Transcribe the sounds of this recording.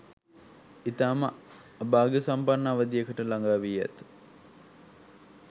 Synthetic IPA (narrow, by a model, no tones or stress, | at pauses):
it̪aːmə | baːɡəsampanːaaʋəd̪ijekəʈəlaŋɡaːʋijɛ̰t̪